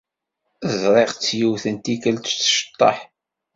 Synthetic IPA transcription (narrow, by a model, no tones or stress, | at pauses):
əzɾˤeʁt͡sːjuwθənt̪ikəlt̪t͡sːʃt̪ˤːɑ̰ħ